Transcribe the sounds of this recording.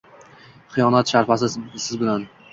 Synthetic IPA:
χɨjɒnat̪ʃaɾfasɪsɪzbɪlan

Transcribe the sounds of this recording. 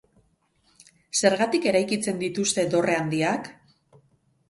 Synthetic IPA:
se̞ɾɣat̪ike̞ɾajkit͡se̞nd̪it̪ust̪e̞d̪o̞re̞and̪iak

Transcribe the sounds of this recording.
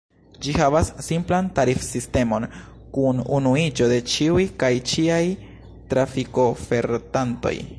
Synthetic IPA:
d͡ʒihavasːimplantaɾifsiste̞mo̞n | kununuid͡ʒo̞de̞t͡ʃiujkajt͡ʃiaj | tɾafiko̞fe̞ɾtanto̞̰j

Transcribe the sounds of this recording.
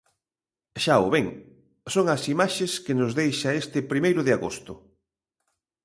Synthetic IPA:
ʃaʊ̰βeŋ | soŋɐsimaʃeskɪnʊzðejʃɐest̪ɪpɾimejɾʊðɪaɣo̰st̪ʊ

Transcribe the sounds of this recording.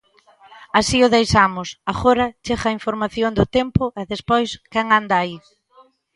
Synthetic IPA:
asiʊðejsamʊsaɣoɾɐt͡ʃeɣɐiɱfoɾmaθjoŋd̪ʊt̪empʊɛðespojskɛŋand̪aːi

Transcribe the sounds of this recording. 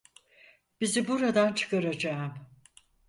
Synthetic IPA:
b̥izibuɾad̪ant͡ʃʰɯ̥kaɾad͡ʒaɯm

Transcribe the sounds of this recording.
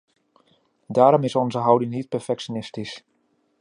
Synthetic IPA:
daːɾɔmɪsɔnzəɦawdɪŋnit̚pɛɹfɛksjonɪstis

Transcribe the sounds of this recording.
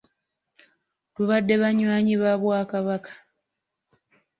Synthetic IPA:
tuβadːe̞βaɲwaːɲiβaβwaːkaβakḁ

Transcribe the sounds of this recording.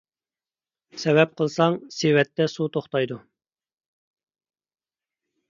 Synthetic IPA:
sɛwɛp̚qʰəlˠsɑŋsewɛt̪ːɛsut̪ʰoχt̪ɑjd̪u

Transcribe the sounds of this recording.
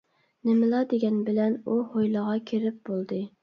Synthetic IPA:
nɪmɪlˠɑd̪eɡʲɛnbɪlɛnuhojlˠəʁɑkʲʰeɾɪp̚bolˠd̪ɨ

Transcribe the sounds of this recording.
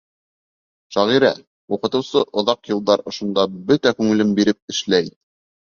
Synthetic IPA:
ʃæʁiɾæ̰ | wuqɤ̆t̪ɤ̆wsɤʔŏðɑqjɤ̆lˠd̪ɑɾŏʃŏnd̪ɑbɵt̪ækʉŋɘ̆lɘmbiɾɘp̚ɘ̆ʃlæj

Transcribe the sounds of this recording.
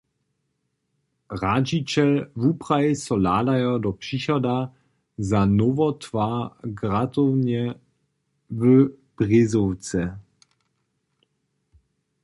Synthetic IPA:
ʁad͡ʒit͡ɕɛlvupʁajsɔlaːdajɔdɔpʂiçɔda | zanɔvɔtvaːɡratɔwnɛ | və | b̥ʁɪzɔwt͡sɛ

